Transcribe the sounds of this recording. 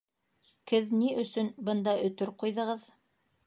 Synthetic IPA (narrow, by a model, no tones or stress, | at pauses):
kɘðniʔɵ̆sɵnbɤnd̪ɑʔɵ̆t̪ɵɾqujðɤ̆ʁɤð